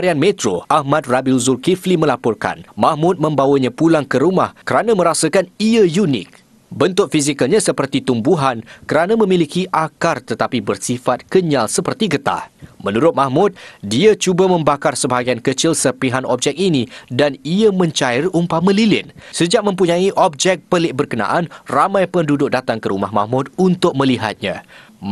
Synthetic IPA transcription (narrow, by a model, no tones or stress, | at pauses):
ɾianmẽt̪ɾo̰ʔahmat̪̚rabilzurkiflimə̃lapɔrka̰nmãhmʊt̪̚mə̃mbawəɲãpulaŋkəɾumahkəɾanãmə̃ɾasakaniajunɪ̰k̚ | bənt̪ʊʔ̚fisikəlɲãsəpərt̪it̪umbuɦankəɾanãmə̃milikiʔakart̪ət̪apibərsifat̪̚kəɲalsəpərt̪iɡət̪a̰mə̃nuɾʊt̪̚mahmʊt̪̚diat͡ʃubamə̃mbakarsəbaaɡiankət͡ʃɪlsəpiɦanʔɔ̰p̚d͡ʒɛk̚inidaniamə̃ɲt͡ʃaɪrumpaməlilɪnsəd͡ʒaʔ̚mə̃mpuɲãiʔɔb̚d͡ʒɛk̚pəlɪʔ̚bərkənã̰ʔanramãjpəndudʊk̚dat̪aŋkəɾumahma̰hmʊt̪̚unt̪ʊk̚mə̃liɦa̰t̪̚ɲã̰